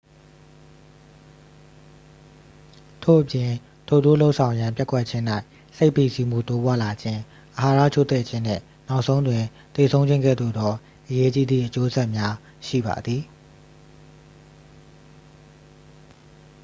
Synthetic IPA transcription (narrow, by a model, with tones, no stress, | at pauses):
tʰo̰˦˨ʔəpjɪ̃˨ | tʰo˨do̰˦˨lo˦ʊʔsʰã˨ʊ̃jã˨mpja˦kwɛ˦ʔ̚t͡ɕʰɪ̃˦n̥a˦ɪ | se˦ɪʔpi˦˨si˦m̥ṵ˦˨t̪o˦bwa̰˦˨la˨d͡ʑɪ̃˦ | ʔəɦa˨ɾa̰˦˨t͡ɕʰo˦˨t̪ɛ̰˦˨t͡ɕʰɪ̃˦n̥ɪ̰̃˦˨ | na˦ʊʔsʰõ˦ʊ̃ndwɪ̃˨ | t̪e˨sʰõ˦ʊ̃ɲd͡ʑɪ̃˦ŋɡɛ̰˦˨d̪o̰˦˨d̪ɔ˨˦ | ʔəje˦t͡ɕi˦d̪ðḭ˦˨ʔət͡ɕo˦ʔəz̥ɛ˦ʔmja˦ | ʃḭ˦˨ba̰˨d̪ði˨